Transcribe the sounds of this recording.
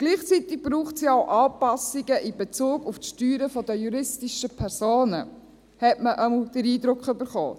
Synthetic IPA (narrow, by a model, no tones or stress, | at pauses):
ɡ̥liːχt͡sit̪ɪɡ̚b̥ɾuːχtsiɑʊʔɑːpɑsiɡəʔɪbet͡suːɡuftʃtyːɾəfɔd̪əjuɾɪstiʃəpʰɛɾz̥oːnə | hɛtməʔəml̩d̪̥əɾiːd̪ɾʊkχʏbəɾχo̰ː